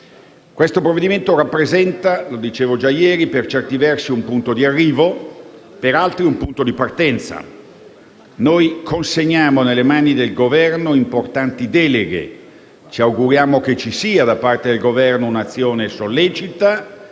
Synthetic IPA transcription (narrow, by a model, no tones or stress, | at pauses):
kwest̪opɾovːed̪iment̪oɾapːɾezɛnt̪alod̪it͡ʃeːvod͡ʒajɛːɾipert͡ʃɛrt̪ivɛrsiumpunt̪od̪iarːiːvopeɾalt̪ɾiumpunt̪od̪ipart̪ɛnt̪sa̰ | nojkʰonseɲːaːmonelːemaːnid̪elɡovɛrnoimport̪ant̪id̪ɛːleɡḛ | t͡ʃiawɡuɾjaːmok̟et͡ʃːisiːad̪apart̪ed̪elɡovɛrnounat̪sːjoːnesolːɛːt͡ʃit̪a